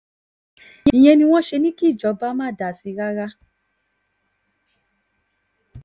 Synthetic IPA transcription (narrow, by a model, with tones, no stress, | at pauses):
ĩ˨j̃ɛ̃˧nĩ˧w̃ɔ̃˦ʃe˧nĩ˦ki˦˨d͡ʒɔ˨˦ba˦mãː˦˨da˨si˧˦ɾa˦ɾa˦